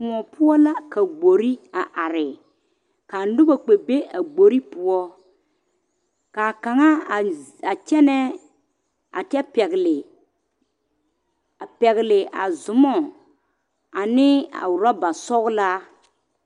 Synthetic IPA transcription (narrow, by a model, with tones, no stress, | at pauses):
m˨ɔ˨pu˦ɔ˦la˦ka˨ɡ͡bo˨ɾi˦a˨ʔa˨ɾɪ˨ | ka˨n˦dʊ˦ba˨k͡pe˨be˦ʔa˨ɡ͡bo˨ɾi˦pʊ˨ɔ˦ | ka˨ka˨ŋa˦˨a˨t͡ʃɛ˦nɛ˦ | a̰˨tɛ˦pɛ˨ɣlɪ˨ | a˨pɛ˨ɣlɪ˨ʔa̰˨zʊ˨mɔ˦˨ | a˨nɪ˦a̰˨wʊ˨ɾa˦ba˨sɔ˦ɣla˦